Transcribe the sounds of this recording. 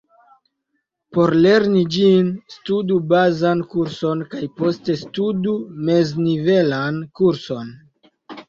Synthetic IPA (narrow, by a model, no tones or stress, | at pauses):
po̞ɾle̞ɾnid͡ʒinstudubazankuɾso̞nkajpo̞ste̞studume̞znive̞lankuɾso̞n